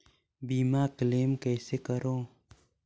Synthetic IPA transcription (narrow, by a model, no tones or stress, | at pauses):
biːmaːkleːmkɛːseːkəɾõː